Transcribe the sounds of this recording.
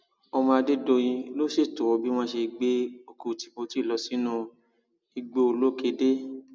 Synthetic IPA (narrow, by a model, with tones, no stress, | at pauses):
ɔ˧mã˧de˦do˧j̃ĩ˧lo˦ʃe˦˨to˨wo˨˧˦bi˦w̃ɔ̃˦ʃe˧ɡ͡be˦o˨ko˧˨ti̥˨ko˧ti˦˨lɔ˨˧˦si˨˦nũ˧ | i˧ɡ͡bo˧o˧lo˦ke˧˦de˦